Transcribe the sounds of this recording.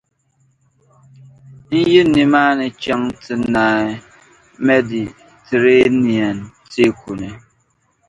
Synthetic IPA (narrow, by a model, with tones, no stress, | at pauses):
n̩˦ji˦ni˨ma˦nɛ˨t͡ʃa˦ŋtɨ˨na˨ | me˦di˨ | te˨ɾe˦ni˨a˨nte˦ku˨ne˨